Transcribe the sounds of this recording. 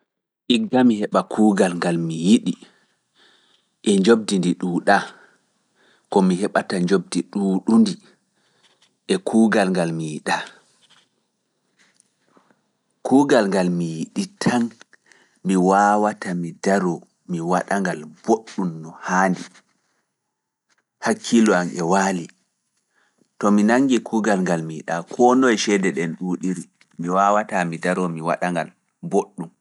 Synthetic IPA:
ʔiɡːamihɛɓakʰuːɡalŋɡalmijiɗi | ʔɛɲd͡ʒob̚dindiɗuːɗa | kɔmiɦɛɓataɲd͡ʒob̚diɗuːɗundi | ʔɛkʰuːɡalŋɡalmijiɗa | kuːɡalŋɡalmijiɗitʰan | miwawatamidaɾɔ | miwaɗaŋɡalb̥oɗːumnɔhaːndi | hakʰːilɔamʔɛwaːli | tɔminaŋɡikʰuːɡalŋɡalmiiɗakʰɔnɔjʃɛdɛɗɛnɗuːɗiɾi | miwawatamidaɾɔmiwa̰ɗaŋɡal | boɗːum

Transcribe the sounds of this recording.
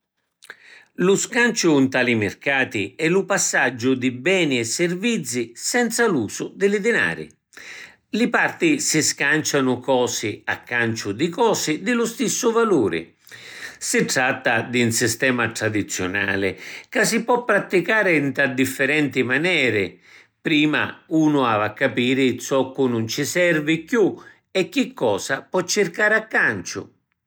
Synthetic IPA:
lʊskant͡ʃʊnt̪alimɪrkaːt̪iɛlʊpasːad͡ʒːʊd̪ɪbɛːniɛsːɪrvit̪sːisɛnt̪saluːsʊd̪ɪlɪd̪ɪna̰ːɾɪ̰ | lɪpart̪isiskant͡ʃanʊkɔːsɪa̰kːant͡ʃʊd̪ɪkɔːsɪd̪ɪlʊst̪isːʊvaluːɾɪ̰ | sɪʈɾat̪ːad̪iunsist̪ɛːmat̪ɾad̪it̪sːjʊ̰na̰ːlɪkas̬ipwɔpːɾat̪ːikaːɾɪnt̪ɾad̪ifːɪɾɛnt̪imanɛːɾɪ | pɾiːma̰uːnʊaːvakːapiːɾɪt̪sɔkːʊnʊnt͡ʃɪsɛrvɪkju | ɛk̟ːikːɔːsapwɔt͡ʃːɪrkaːɾɪakːant͡ʃʊ̰

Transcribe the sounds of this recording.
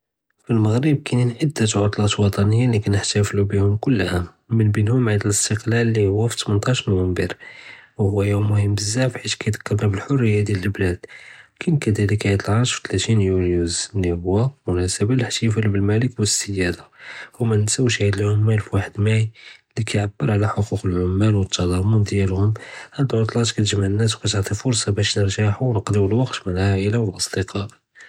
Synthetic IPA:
filməɣɾəb̚kæninʕəd̪ːæt̪ʕot̪ˤlɑt̪lwɑt̪ˤɑnəjːalikænəħt̪æflubihʊmkʊlːhæ | mənbinhʊmʕad̪ələst̪əqlælːihʊwːæft̪mənt̪ˤɑʃnuwəmbəɾwhʊwːæjumːʊhəmbəzːaʕfħit̪kæjd̪ə̥kːɑɾnæbəlħorːəjːad̪jæləlblæd̪̥kʰænkæd̪æləkːæjət̪ˤlʕɑʃfi̥t̪læt̪injunjuzlihʊwːæmʊnæsæbalħt̪ijfælbəlmæləkwəsːəjːæd̪ahʊmænənsəwːʃhid̪əlʕʊmːælfwaħəd̪mæjlikʰæjʕabːəɾˤʕlæħoquqəlʕʊmːælwət̪ːɑlˤɑmund̪jælhʊmhænt̪ʕot̪ˤlɑt̪kæt̪əʒmaʕənːæs̬wkæt̪əʕt̪ˤifʊɾsˤɑbæʃnəɾˤʒaħuwnəqd̪iwəlwɑqt̪mənəlʕæʔəlawəlʔəsˤd̪əqʰɑ

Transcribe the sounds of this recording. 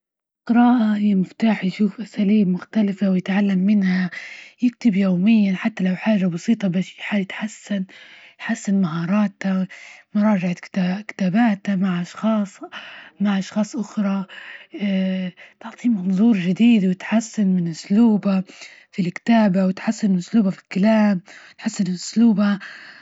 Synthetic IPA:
qɨɾˤɑːʔajamɪft̪aːħjʃuːfʔasaːliːbmʊxt̪alɪfawjɪt̪ʕalːamːɪnhajɪk̚t̪ɪbjoːmɪjːanħat̪ːalawħaːʒabɑsiːt̪ˤɑbasħajɪt̪ħasːanjħasːanmaɦɑːɾˤɑːt̪amʊɾˤɑːʒaʕat̪kt̪akɪ̥t̪aːbaːt̪amaʕʔɑʃxɑːsˤmaʕʔɑʃxɑːsˤʔʊxɾˤɑ | t̪ʊʕt̪ˤiːmɑnðˤuːɾˤʒɪd̪iːd̪wɪt̪ħasːanmɪnʔʊsluːba | filkɪ̥t̪aːbawɪt̪ħasːannʔʊsluːbafi̥lkalaːmɪt̪ħasːanɪlʔʊsluːba

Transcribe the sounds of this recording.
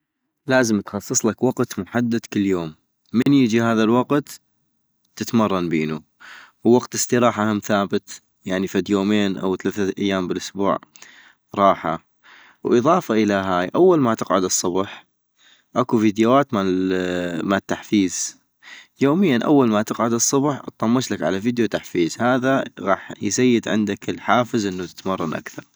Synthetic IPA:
laːzəmt̪xɑsˤːɨsˤlakwɑqt̪mʊħad̪ːad̪kɪlːjoːmː | ɪnjəd͡ʒihaːðalwɑqt̪ | tːɪt̪mɑrˤːɑnbiːnu | wwɑqt̪ɪst̪iɾɑːħahamθaːbɪt̪ | jaʕnifad̪joːmeːnʔa̰wθalaːθaʔajːaːmbəlʔʊsbṵːʕ | ɾˤɑːħa̰ | wʔɨðˤɑːfaʔəlaɦaːjʔawːalmat̪ɪqʕʊd̪ɨsˤːʊbħ | ʔakufiːd̪jawaːt̪ma | mat̪ːaħfiːz̥ | joːmɪjːanʔa̰wːalmat̪ɪqʕʊd̪ɨsˤːʊbħt̪ˤːɑmːɪʃlakʕalaviːd̪jut̪aħfiːzhaːðaɣɑːħjzajːɪd̪ʕɪ̰nd̪akɪlħaːfɪzʔɪnːut̪ɪ̥t̪mɑrˤːɑnʔa̰kθɑɾˤ

